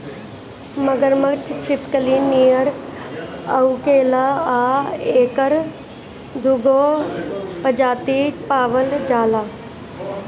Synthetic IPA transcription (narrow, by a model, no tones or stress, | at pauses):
mɐɡəɾməkʈʰt͡ʃʰɪpkəliːniːjəɾ | ɐukeːlaaːeːkəɾ | d̪ʱuɡoː | pɐd͡ʒaːt̪iːpaːʋəld͡ʒaːlaː